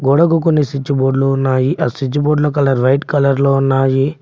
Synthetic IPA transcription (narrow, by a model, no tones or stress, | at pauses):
ɡɔɽɐɡukunːesit͡ʃːiboːɖloːunːaːjiʔɐsid͡ʒuboːɖlok̬ɐlɐɾʋɐjʈkɐlɐɾloːunːaːji